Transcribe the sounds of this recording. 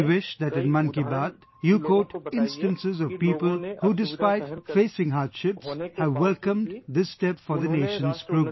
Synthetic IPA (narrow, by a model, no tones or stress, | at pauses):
wɪʃðæʈɨ̃nmʌ̃nkibat̪ | jukoːʈɪ̃nsʈɨ̃nsɨzɔv̥piːpəlhuːɖɪspaɪtfeːsɪ̃ŋɦaːɾd̥ʃɪpshæʋːɛlkə̃mdd̪ɪstɛpfɔðəneːʃə̃nzkɹuɡ